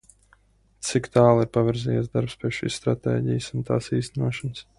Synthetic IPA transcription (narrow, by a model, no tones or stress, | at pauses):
t̪sikt̪aːlˠiɾpavʲiɾziːjɛ̰sd̪aɾpspʲiɛʃḭːsst̪ɾat̪ɛ̰ːɟḭjsunt̪a̰ːsiːst̪ænuɔʃans